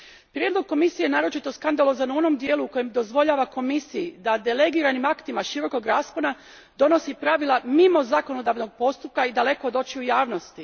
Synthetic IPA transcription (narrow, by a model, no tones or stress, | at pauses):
pɾjed̪lˠo̞ɡ̚ko̞misijenaːɾo̞t͡ʃit̪o̞skand̪alˠo̞zanuo̞no̞md̪je̞ːluːko̞jemd̪o̞zʋo̞ʎaːʋako̞misijid̪ad̪ele̞ɡiɾanimakt̪imaʃiɾo̞ko̞ɡɾaːskona | d̪o̞no̞sipɾaʋilˠamimo̞zakono̞d̪aʋno̞ɡ̚po̞st̪up̚kaid̪ale̞kood̪o̞t͡ʃiujaːʋno̞st̪i